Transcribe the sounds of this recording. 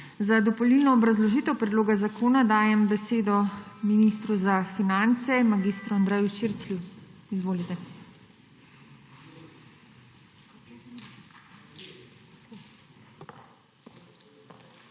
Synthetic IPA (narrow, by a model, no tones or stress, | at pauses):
zad̪ɔpɔlilnɔːbɾazlɔʒiːt̪ɛwpɾɛd̪loːɡazakʰoːnad̪aːjɛmbɛseːd̪ɔminist̪ɾuzafinant̪sɛmaɡist̪ɾuand̪ɾɛjuʃiɾslʲuizʋoːlit̪ɛ